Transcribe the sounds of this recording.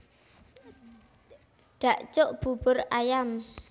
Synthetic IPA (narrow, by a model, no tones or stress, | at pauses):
ɖ̥a̤ʔt͡ʃʊʔb̥ṳb̥ʊrajam